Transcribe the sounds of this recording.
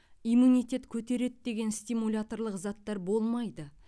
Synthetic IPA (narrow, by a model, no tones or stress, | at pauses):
ijmunijt̪ʲe̞t̪kʲʰɵt̪e̞ɾe̞t̪d̪e̞ɡʲe̞nst̪ʲijmulʲat̪o̞ɾlˠəqzɑt̪ːɑɾbo̞lˠmɑjd̪ə